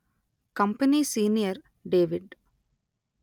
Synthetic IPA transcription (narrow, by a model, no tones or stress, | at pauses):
kɐmpɐniːsiːnijɐɾ | ɖeːʋɪɖ